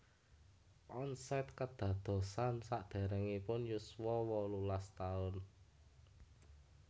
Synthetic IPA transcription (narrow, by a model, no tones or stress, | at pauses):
ʔɔnsɛt̪kəd̪̥ä̤d̪̥o̤sansaʔd̪̥e̤ɾɛŋipʊnjuswɔwɔlulast̪aʊn